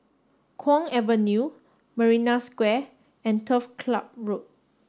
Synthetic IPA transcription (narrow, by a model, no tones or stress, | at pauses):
kʰwɔ̃ŋɛvə̃nju | məɹinaskwɛ | ɛ̃ntʰəfkʰlap̚ɹot̚